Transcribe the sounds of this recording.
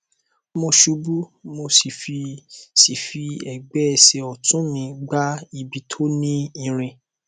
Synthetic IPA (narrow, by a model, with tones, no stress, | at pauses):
mo˧ʃu˨˦bu˦mo˧si˨fi˧si˨fi˧ɛ˨ɡ͡bɛ˨˦ɛ˨se˨ɔ˨tũ˨˦mĩ˨˧ɡ͡ba˦i˨bi˨tʰo˦nĩ˦ĩ˦˧˨ɾ̃ĩ˧